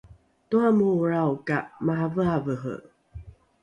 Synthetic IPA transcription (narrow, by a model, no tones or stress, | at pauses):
tuamuːɹawkaʔmaɦavəavəɦə̰